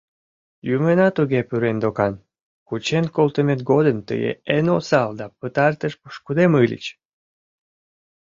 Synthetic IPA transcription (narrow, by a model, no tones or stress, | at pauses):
jumenɑt̪uɣepyɾend̪okɑn | kut͡ɕenkolt̪əmet̪̚ɡod̪ənt̪ə̰jḛenosɑld̪ɑpət̪ɑrt̪əʃpuʃkud̪emɨlʲə̰t͡ɕ